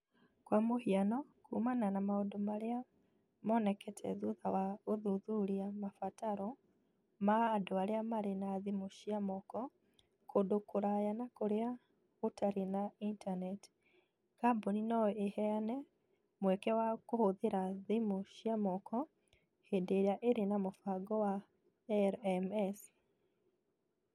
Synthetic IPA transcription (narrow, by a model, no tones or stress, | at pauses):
kwamohianɔkʰumananamaodomaɾea | mɔnɛkʰɛtʰɛ̰ðuðawaoðuðuɾiamafataɾɔ | maːdoaɾeamaɾenaðimoɕiamɔkɔ | kʰodokoɾajanakoɾea | otʰaɾenaintanɛt | ɡ̥aboninɔehɛanɛ | mwɛkɛwakohoðeɾaðimoʃiamɔkɔ | hendeɾaʔeɾenamofaɡɔwa | ɛɾɛmɛs